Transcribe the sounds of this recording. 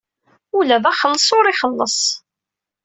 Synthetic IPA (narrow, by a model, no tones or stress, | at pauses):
ulæðæχəlːəsˤʊɾiχəlːəsˤ